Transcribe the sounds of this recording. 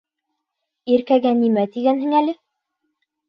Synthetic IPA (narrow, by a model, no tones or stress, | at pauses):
iɾkæɡænimæt̪iɡænɦɘŋælɘ